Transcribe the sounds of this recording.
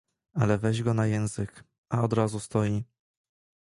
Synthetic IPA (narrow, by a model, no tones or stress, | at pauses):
alɛvɛʑɡɔnajɛ̃w̃zɘk | ʔaɔd̪ɾazust̪ɔji